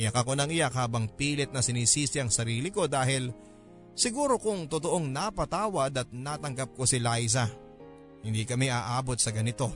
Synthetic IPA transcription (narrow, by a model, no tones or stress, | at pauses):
ɪjɐkɐko̞nɐŋɪjakhaːbɐŋpiːlɪt̪̚nɐsɪniːsiːsɪɐŋsɐɾiːlɪko̞d̪aːhɪl | sɪɡuːɾo̞kʊŋt̪ot̪oʔo̞ŋnapɐt̪aːwɐd̪ɐt̪̚nat̪ɐŋɡɐp̚ko̞sɪlajsɐ | hɪnd̪ikɐmɛʔaːʔaːbo̞t̪̚sɐɡɐnɪt̪o̞